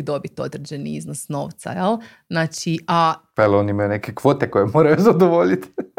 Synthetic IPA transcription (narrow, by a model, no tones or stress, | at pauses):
d̪o̞bit̪o̞d̪ɾed͡ʑe̞nḭiznosno̞̰ːʋt̪sa̰jelˠ | znaːt͡ʃiʔapaeloniimajunekekʋo̞t̪ekojemoːɾajuzad̪oʋoʎit̪